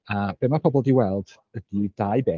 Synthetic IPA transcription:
ab̥emapʰɔbɔlˠdiwɛlˠd̥ | ədidajbeː

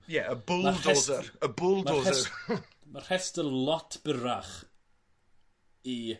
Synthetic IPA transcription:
jɛəbʊladɛːzəəbʊlˠdmaoːɛə | marhɛstəlˠɔtʰb̥əɾaχ | i

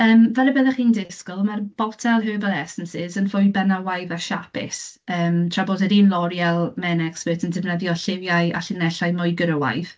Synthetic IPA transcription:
əːmvɛɾəbɛðɛχiːndɪskʊlˠmarb̥ɔtʰɛlˠɦøːvəlˠɛsənsɪzənfʊjbɛnawajðaʃapʰɪ̰səːmtʰrabodɛdinlˠɔɾjɛlˠmɛnɛkspətʰəndɪvnəðjɔɬɪvjaɨa̰ɬɪnɛɬajmʊjɡəɾəwa̰jð̥

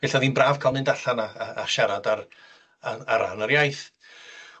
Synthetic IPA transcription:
v̥ɛɬaðiːnbraːv̥kʰalˠmɨndaɬana̰ːʃaɾadar | aaɾa̰naɾjajθ

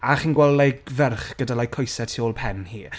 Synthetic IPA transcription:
aχiːnɡwɛlˠlɛɡvɛrχɡ̥ədalajkʰɔjsɛtʰioːlˠpʰɛnhiː

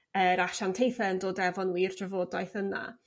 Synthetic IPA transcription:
əɾaʃantʰejθɛndoːdɛvɔnwiːrdrəvoːdajθəna̰

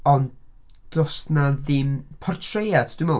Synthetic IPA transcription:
ɔnd | dɔstnaðɪmpʰɔrtʰrejadd̥umɔ

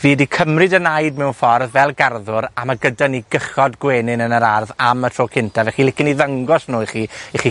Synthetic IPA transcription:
viːdikʰəmrɨdənajdmɛwnfɔrðvɛlˠɡarðʊɾamaɡədaniɡəχɔdɡweːnɪnənəɾarðamətʰoːkʰɪntʰavɛχilɪkɪniðəŋɡɔsnuːiχiːiχi

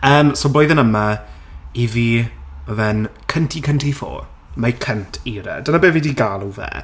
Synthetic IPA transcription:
əːmsoːboːjðənəma | iviːɔðɛnkʰəntʰikʰəntʰifo̰ːr | makʰəntʰiɾɛ̰dənabeːvidiːɡaːlˠuvɛ̰

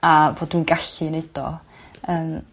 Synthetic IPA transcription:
avoːdwunɡaɬɨneɨd̥ɔ̰ | əːm

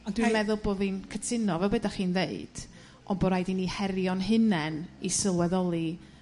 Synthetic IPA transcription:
ɔndwiamɛðʊlˠboːðinkʰətʰɪnɔvɛbədaχiːnðeɨd̥ | ʔɔnbɔɾajdinihɛɾjɔnɦɨnɛnisɪlˠwɛðɔlˠi

